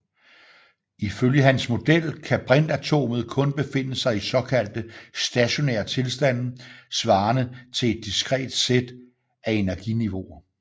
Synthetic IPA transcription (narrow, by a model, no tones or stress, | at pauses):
iføljəɦænsmo̝d̥el̰kʰæb̥ʁend̥æt͡sʰo̝̰ːməð̞̩ˠkʰɔ̽nb̥e̝fe̝n̰əsɑ̈ɪisɒ̽kʰæl̰d̥əsd̥æɕo̝nḛːɐt͡sʰe̝lsd̥æn̰sʋɑ̈ːnət͡sʰe̝le̝d̥ːisɡ̥ʁɛ̰ːd̥sed̥ | æe̝næɐɡ̥iniʋo̝ɐ